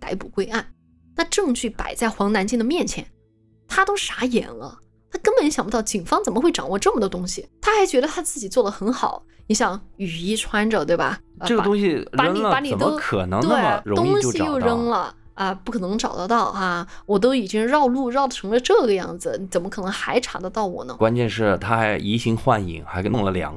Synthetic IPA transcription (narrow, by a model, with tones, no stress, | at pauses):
t̪a̰˧˥ɪpu˨˩kwe˥ɪʔa˥˩n | na˥˧ʈ͡ʂɤ˥˧ŋt͡ɕʰy˥˩pa̰˨˩ɪt͡sa˥˩ɪxwɑ˧˥ŋna˧˥nt͡ɕi˥˩ŋd̪ə˩mjɛ˥˩nt͡ɕʰjɛ̰˧˥n | t̪ʰa˥t̪o˥ʊʂa˧˥jɛ̰˧˥nlə̰˧ | t̪ʰa˥kə˥npə˨˧˦nɕjɑ˨˩ŋpə˦˥˩ʊt͡ɕi˨˩ŋfɑ˥ŋt͡sə˨˩nmə˦xwe˥˩ɪʈ͡ʂɑ̰˨˩ŋwɔ˥˧ʈ͡ʂɤ˥˩mə˩d̪ə˩ʊ˥ŋɕi˨t̪ʰa˥xa˧˥ɪt͡ɕɥɛ˧˥ɾə˧t̪ʰa˥t͡sɹ̩˥˩t͡ɕi˨˩t͡swɔ˥˩d̪ə˩xə˧˥nxɑ˨˩˦ʊni˧˥ɕjɑ˨˩ŋy˨˩i˧˥ʈ͡ʂʰwa˥nʈ͡ʂɤ˨˩t̪we˥˩ɪbɐ̰˩˧ɤ˥˩ɡət̪ʊ˥ŋɕi˨ɻpa˧˥ən˥ŋ˨lə˧pa˧˥ni˨˩t̪ə˥ʊkʰɤ˨˩nɤ˧˥ŋt̪wna˥˩ɪ˩mə˨ɻt̪ʊ˥ŋɕo˥˧i˧˨jo˥˧ʊɻə˥nlə˨ | ə˧pu˥˩kʰɤ˨˩nɤ˧˥ŋʈ͡ʂɑ˨˩ʊd̪ə˧˦t̪ɑ˥˩ʊa˥˩wɔ˨˩t̪̬o˥ʊi˨˩t͡ɕi˥ŋɻɑ˥˧ʊlu˥˩ɻɑ˥˩ʊʈ͡ʂʰɤ˧˥ŋlə˧ʈ͡ʂɤ˥˩ɡə˩jɑ̰˥˩ŋd͡zɹ̩˩ni˧˥t͡sə˨˩mə˦kʰɤ˨˩nɤ˧˥ŋxa˧˥ɪʈ͡ʂʰa˧˥d̪ə˧t̪ɑ˥˩ʊwɔ̰˨˩˦nə˦kwa˥nt͡ɕjɛ˥˧nʂɻ̩˥˩t̪ʰa˥xa˧˥ɪi˧˥ɕi˧˥ŋxwa˥˩nḭ˨˩˦ŋxa˧˥ɪʊ˥˩lə˩ljɑ̰˧˥ŋ